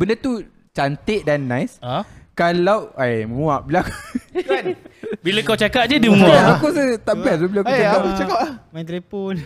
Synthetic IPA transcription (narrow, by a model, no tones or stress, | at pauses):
bəndət̪u | t͡ʃant̪eʔ̚danːãjskalawajməmũaʔbilakkanbilakawt͡ʃakaʔ̚d͡ʒədəməmũaaakusət̪aʔbɛs̬abilaakkuakakut͡ʃakap̚lahmãt̪lipun